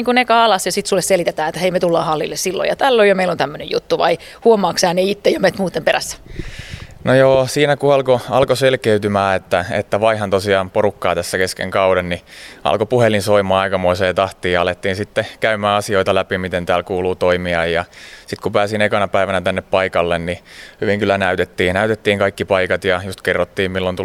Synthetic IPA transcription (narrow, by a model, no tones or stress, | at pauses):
iŋkunekɑːlɑsjɑsit̪sulːesselit̪et̪æːet̪ːæheimet̪ulːɑːhɑlːḭlːessilːo̰jɑ̰t̪ælːojomeilont̪æmːønejjṵt̪ːuʋɑ̰i | huomˑɑːksehæneit̪ːejomet̪muːt̪ːˑemperæsːæ̥ | nojoːsiːnækuɑlkoɑlkoselkeyt̪ymæːet̪ːæḛt̪ːæʋɑihɑnt̪osiɑːmpoɾukːɑːt̪æsːækeskḛŋkɑuɾenniɑ̰lkopuhelinsoimɑːɑikɑmoiseːt̪ɑht̪iːjɑɑlet̪ːiːnsit̪ːekæymæːɑsioit̪ɑlæpimit̪ent̪æːlkuːluːt̪oimiɑjjɑsit̪kupæːsinekɑnɑpæiʋænæt̪ænːeppɑikɑlːennihyʋiŋkylːænæyt̪et̪ːiːnæyt̪et̪ːiːŋkɑikːipɑikɑt̪jɑjust̪kerːot̪ːiːmmilːont̪u